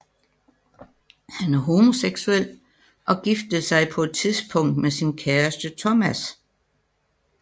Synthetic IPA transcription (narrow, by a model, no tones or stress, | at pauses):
hænæɐɦo̝mo̝seɡ̥suel̰ | ʔɒ̽ɡ̥ifd̥əsɑ̈ɪpʰɒ̽e̝d̥̚t͡sʰiðˠsb̥ʰɔ̽ŋ̰d̥mesinkʰæːɐsd̥ət͡sʰɔmæs